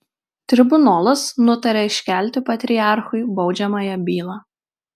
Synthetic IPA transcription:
t̪ʲɾʲɪbʊnoːlˠʊsnʊt̪ɐɾʲɛɪʃʲkʲæˑlʲˑt̪ʲɪpɐt̪ʲɾʲɪjɑˑɾxʊɪbɒʊd͡ʒʲɛmɑːjɛbʲiːlˠɑː

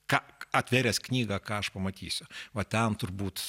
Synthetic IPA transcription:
kɑːɐt̪ʲʋʲeːɾʲɛsknʲiːɡɑkɑːɐʃpɐmɐt̪ʲiːsʲʊʋɐt̪ʲɛnt̪ʊrbuːt̪

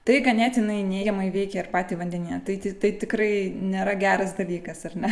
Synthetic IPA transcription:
t̪ɐɪɡɐnʲæːt̪ʲjɪnɐɪnʲeːɡʲɛmɐɪʋʲɛɪkʲɛɪrpɑːt̪ʲiːʋɐnʲd̪ʲɛnʲiːjɐt̪ɐɪt̪ʲɪt̪ɐɪt̪ʲɪkɾɐɪnʲeːɾɐɡʲæːɾɐs̬d̪ɐlʲiːkɐsɐrnʲɛ

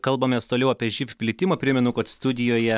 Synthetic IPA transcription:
kɐlˠbɐmʲɛːst̪oːlʲɛʊɐpʲiɛʒʲɪfʲpʲlʲɪt̪ʲɪmɐːpʲɾʲɪmʲɛnʊkɐt̪st̪ʊd̪ʲɪjoːjɛ

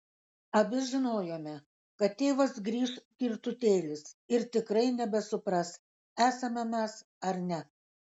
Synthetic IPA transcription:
ɐbʲɪʒʲɪnoːjoːmʲɛ | kɐt̪ʲtʲeːʋɐsɡɾʲiːʃkʲɪɾt̪ʊt̪ʲeːlʲɪsɪɾt̪ʲɪkɾɐɪnʲɛbʲɛsʊpɾɐs | æːsɐmʲɛmʲɛs | ɐɾnʲɛ

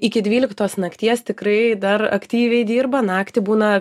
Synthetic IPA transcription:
ɪkʲɪdʲʋʲiːlʲɪkt̪oːsnɐkt̪ʲiɛst̪ʲɪkrɐɪd̪ɐrɐ̰kt̪ʲiːʋʲɛɪd̪ʲiːrbɐnɑːkt̪ʲɪbuːnɐ

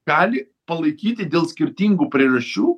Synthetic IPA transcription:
ɑːlʲɪ | pɐlˠɐɪkʲiːt̪ʲɪd̪ʲeːlˠsʲkʲɪɾʲt̪ʲiːŋɡuːpʲɾʲɪrɐʃʲt͡ʃʲuː

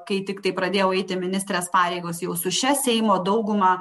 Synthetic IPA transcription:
kɐɪt̪ʲɪkt̪ɐɪpɾɐd̪ʲeːjɛʊɛɪt̪ʲɪmʲɪnʲɪst̪ɾʲeːspɑːɾʲeɪɡoːsjɛʊsʊʃʲɛsʲɛɪmoːd̪ɐʊɡʊmɑ

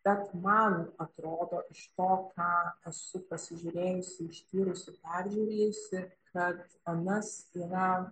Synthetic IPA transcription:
b̥ʲɛt̪mɐnɐt̪ɾoːd̪oːʔɪʃt̪oːkʰɑːɛsʊpɐsʲɪʒʲʊɾʲeːjʊsʲɪɪʃt̪ʲiːɾʊsʊpʲæɾʲʒʲuːɾʲeːjʊsʲɪkɐt̪ | ɐnɐsiːɾɐ

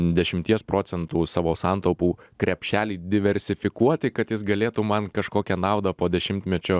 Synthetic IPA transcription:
d̪ʲɛʃʲɪmʲt̪ʲiɛspɾoːt͡ssʲɛnt̪uːsɑːʋoːsɑnt̪oʊpuːkɾʲɛpʲʃʲæːlʲiːd̪ʲɪʋʲɛɾʲsʲɪfʲɪkuɔt̪ʲɪkɐt̪jɪsɡɐlʲeːt̪uːmɐnkɐʃkoːkʲɛnɑʊd̪ɐpoːd̪ʲɛʃʲɪmʲt̪ʲmʲɛt͡ʃʲoː

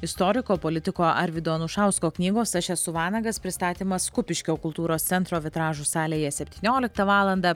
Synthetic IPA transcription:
ɪst̪ɔːɾʲɪkoːpoːlʲɪt̪ʲɪkoːʔɐɾʲʋʲɪd̪oːnuʃɑˑʊskoːknʲiːɡoːsɐʃʲɛsʊʋɑːnɐɡɐspʲɾʲɪst̪ɑːt̪ʲiːmɐskʊpʲɪʃʲkʲoːkʊlˠt̪uːɾoːst̪sʲɛnt̪ɾoːʋʲɪt̪ɾɑːʒuːsɑːlʲeːjɛsʲɛpʲt̪ʲiːnʲoːlʲɪk̚t̪ɐʋɑːlˠɐnd̪ɑ

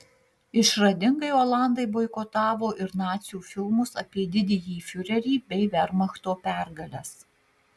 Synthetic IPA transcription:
ɪʃɾɐd̪ʲɪŋɡɐɪoːlˠɑˑnd̪ɐɪboːɪkɔt̪ɑːʋoːʔɪɾnɑːt̪sʲjuːfʲɪlˠmʊsɐpʲiɛd̪ʲɪd̪ʲɛjiːfʲʊɾʲɛɾʲiːbʲɛɪʋʲɛɾmɐxt̪oːpʲæːˑɾɡɐlʲɛs

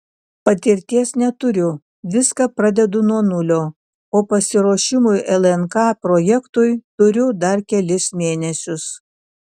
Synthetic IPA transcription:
pɐt̪ʲɪɾʲt̪ʲiɛsnʲɛt̪ʊɾʲʊ | ʋʲɪskɐpɾɐd̪ʲɛd̪ʊnuɔnʊlʲoː | oːpɐsʲɪɾoːʃʲɪmʊjʔɛlˠɛnkɑːpɾoːjɛkt̪ʊjt̪ʊɾʲʊd̪ɐɾkʲɛlʲɪsmʲeːnʲɛsʲʊs

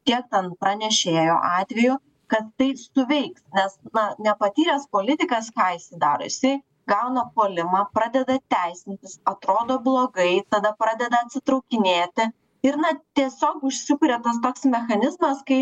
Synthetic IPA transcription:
k̪ʲiɛk̚t̪ʲɛnpɾɐnʲɛʃʲeːjo̰ːʔɑːt̪ʲʋʲɛjʊ | kɐt̪t̪ɐɪsʊʋʲɛɪksnʲɛsnɐnʲɛpɐt̪ʲiːɾʲɛspoːlʲɪt̪ʲɪkɐskɑːisʲɪd̪ɑːɾo̰ːjɪsɐɪ | ɡɐʊnɐpoːlʲɪmɑːpɾɑːd̪ʲɛd̪ɐt̪ʲæɪsʲɪnʲt̪ʲɪsɐt̪ɾoːd̪oːblˠoːɡɐɪt̪ɐd̪ɐpɾɑːd̪ʲɛd̪ɐɐt̪ʲsʲɪt̪ɾɐʊkʲɪnʲeːt̪ʲɪ | ɪɾnɐt̪ʲiɛsʲoːkʊʃʲsʲɪpʊɾʲeːt̪ɐst̪oːksmʲɛxɐnʲɪzmɐskɐɪ

